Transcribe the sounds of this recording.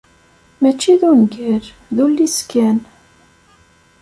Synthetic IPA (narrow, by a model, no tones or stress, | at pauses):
mæt͡ʃːiðunɡəɾ | ðulːiskæn